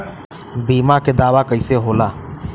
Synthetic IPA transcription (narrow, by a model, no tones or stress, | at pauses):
biːmãked̪aːʋakəiseɦoːlaː